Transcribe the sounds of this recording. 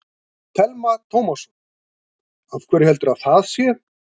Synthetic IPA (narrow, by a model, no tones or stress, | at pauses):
t̪ʰɛlmat̪ʰowmasɔn | avkʰvɛːɾɪhɛlt̪ʏɾaðθaðsjɛ